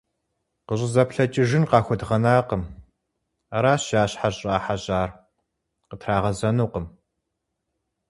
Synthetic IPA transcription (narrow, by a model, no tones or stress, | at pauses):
qəɕʼɪzɐpɬɐt͡ʃʼɪʒɪnqɑːxʷɔdʁɐnaːqəm | ɐɾaːɕaːɕħaɕʼaːħaɕaːr | qətʰraːʁɐzɐnuːqəm